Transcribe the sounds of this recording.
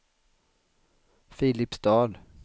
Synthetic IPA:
fɪːlɪpsd̪ɑːl

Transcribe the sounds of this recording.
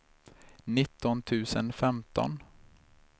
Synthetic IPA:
nɪt̪ːɔnt̪ʰʉ̟ːsənfɛmt̪ʰɔ̰n

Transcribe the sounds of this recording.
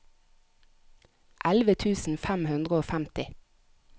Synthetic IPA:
ʔælʋət̪ʰʉːsn̩fæmhʉnd̪ʁəoːfæmt̪ɪ

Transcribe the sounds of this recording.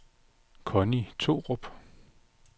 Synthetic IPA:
kʰɔnit͡sʰo̝̰ːʁob̥

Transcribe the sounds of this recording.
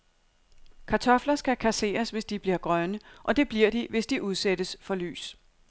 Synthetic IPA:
kʰɑ̈t͡sʰɒ̽flɐsɡ̥ækʰæse̝̰ːɐsʋe̝sd̥ib̥liɐɡ̥ʁɶnəʔɒ̽d̥e̝b̥liɐ̰d̥iʋe̝sd̥iʔuð̞ˠsedəsfɒ̽ly̰ːs

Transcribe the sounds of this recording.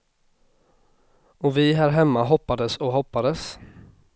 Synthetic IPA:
ɔvɪɦæːɾɦɛmːaɦɔpːad̪əsɔɦɔpːad̪əs

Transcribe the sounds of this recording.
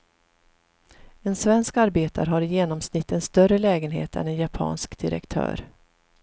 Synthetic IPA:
ɛnsvɛnskaɾbeːt̪a̰ɾɦaɾɪjeːnɔmsnɪt̪ːənst̪œrəlɛːɡənɦḛːt̪ɛ̰nɛnjapʰɑ̰ːnskd̪ɪɾɛ̰kt̪ʰœ̰ːɾ

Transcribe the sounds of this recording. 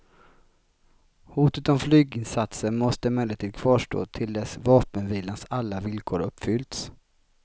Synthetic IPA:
huːt̪ət̪ɔmflyːɡɪnsat̪səɳmɔst̪əmɛːlət̪ʰiːd̪kʰvɑːʂʈo̰ːt̪ʰɪld̪ɛsvɑːpənviːlansalːavɪlkʰoːɾɵpːfʏlt̪s

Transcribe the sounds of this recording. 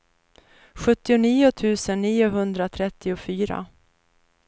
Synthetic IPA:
ɧɵt̪ːɪʊniːʊt̪ʰʉ̟ːsənːiːʊɦɵnd̪ɾat̪ʰɾɛt̪ːɪʊfyːɾa̰

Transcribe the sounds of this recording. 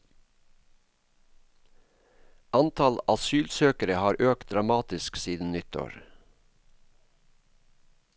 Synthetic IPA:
ʔɑnt̪ʰɑlʔɑsyːlsøːkəɾəhɑːɾʔøːk̚t̪̚d̪ɾɑmɑːt̪ɪsksiːd̪n̩nʏt̪ʰo̰ːɹ

